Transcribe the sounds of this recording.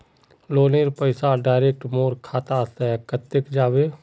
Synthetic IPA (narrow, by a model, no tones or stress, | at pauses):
loːneːɾpəɪsaɖaːɪɾeːk̚ʈmoːɾkʰaːt̪aːst̪ɛkət̪ːɪkd͡ʒaːʋeː